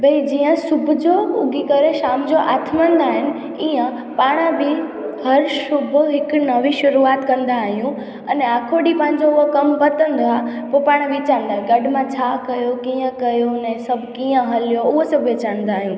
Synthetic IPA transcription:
bɐid͡ʑiːə̃sʊbʱʊd͡ʑoʊɡʱikɐɾeʃaːmd͡ʑoʔaːt̪ʰmãːnd̪aːɦɪnɪ̆ | iːə̃ | paːɽ̃ãbɪ | hɐɾʃʊbʱʊɦɪkʊnɐʋĩʃʊɾuaːt̪kɐ̃nd̪aːɦijũ | ɐnaːkʰoɽipɐ̃ɦɪ̃ɲd͡ʑoʊɦokɐmpɐt̪ə̃nd̪oapopaːɽ̃ʋɪt͡ɕãːnd̪aːɦɪ̃nɡɐɖʱmãt͡ɕʰaːkɐjokiːə̃kɐjonɛ̃sɐbʱkiːə̃ɦɐljoʊɦosɐbʱʋet͡ɕãːnd̪aːɦjũː

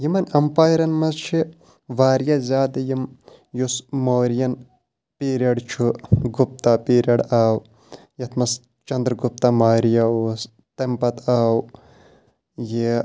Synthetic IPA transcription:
jimɐnɐmpaːjɾɐnmɐzt͡ʃʰi | ʋaːɾjazʲaːd̪ɐjim | jusmoːɾjɐn | piːɾɐɽt͡ʃʰuɡup̚t̪apiːɾɐɽaːw | jɐt̪ʰmɐs | t͡ʃɐnd̪ɾɡup̚t̪ɐmaːɾjɐus | t̪empɐt̪ʰaːw | ji

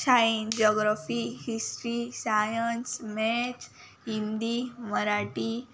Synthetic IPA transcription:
saind͡ʑɔɡɾafihisʈɾisajənsmɛ̃t͡ɕ | ɦind̪iməɾaʈi

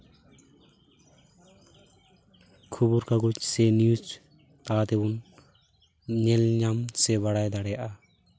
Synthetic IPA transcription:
kʰubuɾkaɡut͡ʃsɛnijut͡ʃ | t̪aat̪ebun | ɲɛlɲamsɛβaɽajd̪aɽɛjaʔa

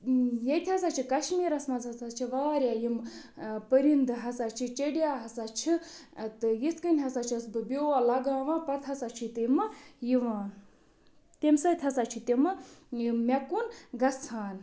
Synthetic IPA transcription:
jɐt̪ʲʰɐsaːt͡ʃʰikɐʃmiːɾɐsmɐzhɐsat͡ʃʰiʋaːɾjaːjimpəɾind̪ɨɦɐsat͡ʃʰit͡ʃeɽjaːɦɐsat͡ʃʰit̪ɨjiskɨnʲɦɐsat͡ʃʰɐsbɨbʲoːʋaːlɐɡaːʋãːpɐt̪ʰɦɐsat͡ʃʰit̪emɨjiʋãː | t̪emsɐt̪ʰʲɐsat͡ʃʰit̪emɨjimʲɐkunɡɐsʰaːn

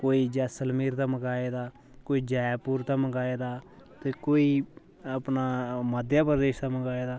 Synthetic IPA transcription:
koːiːd͡ʒɛːsəlmiːɾt̪aːməɡaːeːd̪aː | koːiːd͡ʒɛːjpuːɾt̪aːməɡaːeːd̪aː | t̪eːkoːiː | əpnaːməd̪jaːpəɾd̪eːʃt̪aːməɡaːeːd̪aː

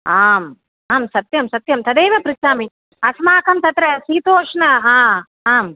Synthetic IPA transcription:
aːm | aːmsɐt̪jɐmsɐt̪jɐmt̪ɐd̪eːʋɐpɾɪt͡ʃaːmi | ɐsmaːkɐmt̪ɐt̪ɾɐsiːt̪oːʂɐnɐaː | aːm

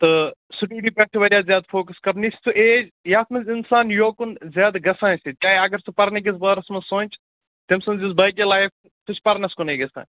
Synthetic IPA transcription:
t̪ɨsuʈiːɾipɐʈʰiʋɐɾjaːzʲjaːd̪fʰoːkɐskɐbnissuʔeːd͡ʒjaːt̪ʰmɐzɪnsaːnjoːkunzʲjaːd̪ɡɐsãːnsit͡ʃaːɦiɐɡɐɾsupɐɾnɐɡis̬baːɾɐsmɐsõːnʲt͡ʃ | t̪imsɐnzis̬bɐːkilaːjf | t̪ut͡ʃʰpɐɾnɐskuneːɡɐsa̰ːn

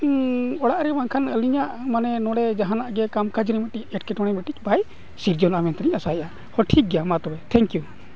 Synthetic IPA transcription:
ɔɽaʔɾɛbaŋkʰanəliɲaʔmanɛnɔɽɛd͡ʒaɦanaʔɡɛkamkad͡ʒɾimɛʈic̚ɛʈ̚kɛʈɔɽ̃ɛmɛʈic̚ˀbaj | siɾd͡ʒɔnamɛnt̪aɾiɲasaɛʔa | hɔʈʰik̚ɡjamat̪ɔbɛt̪ʰɛŋkju

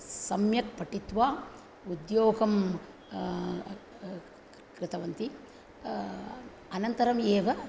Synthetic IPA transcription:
sɐmjɐk̚pɐʈit̪ʋaː | ud̪joːɡɐm | kɾɪt̪ɐʋɐnt̪i | ɐnɐnt̪ɐɾɐmeːʋɐ

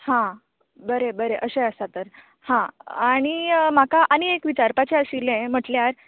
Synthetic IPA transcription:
hã | bəɾebəɾeʔəɕeəst̪at̪əɾ | hãaɽ̃imakaʔaniekʋit͡ɕaɾpat͡ɕeəɕilẽm̤əʈljaɾ

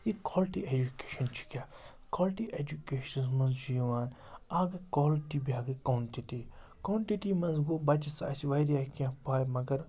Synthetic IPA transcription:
jekoːlʈied͡ʒuke̥ːʃɐnt͡ʃʰi̥kʲaː | koːlʈiʔeːd͡ʒukeːʃɐnsmɐ̃nzd͡ʒuijiʋaːn | aːɡɐkoːlʈibijaːɡɐkɐwɳʈiti | kɐwɳʈiʈimɐ̃nzɡoːbɐt͡ʃisa̰ːsiʋɐjɾjaːkiãpaːjmɐɡɐɾ

